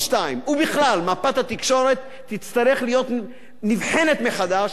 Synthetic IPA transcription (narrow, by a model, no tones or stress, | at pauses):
ʃt̪aimubiχlalmapat̪hat̪ikʃo̞ɾe̞t̪ːit͡st̪aʁeχlijo̞t̪ | nivħe̞ne̞t̪meχad̪aʃ